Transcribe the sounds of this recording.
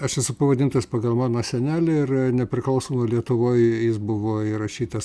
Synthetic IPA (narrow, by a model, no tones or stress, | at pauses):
ɐʃɛsʊpɐʋɐd̪ʲɪnt̪ɐsʲpɐɡɐlˠmɑːnoːsʲɛnʲæːlʲɪɪrnʲɛpʲɾʲɪklˠɐʊsoːmɐlʲiɛt̪ʊʋoːjjɪsbʊʋoːɪɾɐʃʲiːt̪ɐs